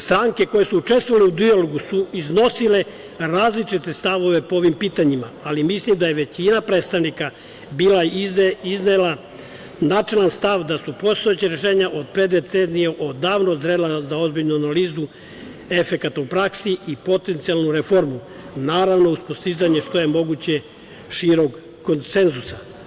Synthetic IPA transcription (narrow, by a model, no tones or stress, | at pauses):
st̪ɾaŋke̞ko̞jesuut͡ʃest̪ʋoʋaleud̪ioloɡusuizno̞sile̞ | ɾaːzlit͡ʃit̪e̞st̪aʋo̞ʋe̞pooʋimpiːt̪aɲimaalimislimd̪aje̞ʋe̞t͡ɕinapɾe̞ːt̪st̪aʋnika | biːlaiznela | naːt͡ʃe̞lanst̪aʋd̪asupo̞st̪o̞jet͡ɕeɾe̞ʃe̞ːɲaʔo̞d̪̚pɾe̞d̪et̪senijeʔo̞d̪aːʋnozɾelazao̞zbiʎnuanaliːzu | e̞fe̞kat̪aupɾaksiʔipo̞t̪e̞nt̪sialˠnuɾefo̞ɾmu | naːɾaʋno̞uspost̪izaɲe̞ʃt̪o̞je̞mo̞ɡut͡ɕe̞ | ʃiːɾo̞ɡ | kːo̞nt̪se̞nzusa